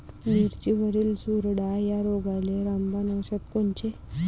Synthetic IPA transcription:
niɾt͡ɕiʋəɾiːlsuɾɽajaɾoɡajleɾambanəwɕat̪koɳt͡ɕe

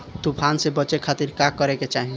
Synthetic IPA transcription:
t̪upʰansebət͡ʃekʰat̪iɾkakːəɾeket͡ʃaɦĩ

